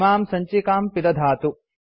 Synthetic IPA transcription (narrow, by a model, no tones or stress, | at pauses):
maːmsɐɲt͡ʃikaːmpid̪ɐd̪ʱaːt̪u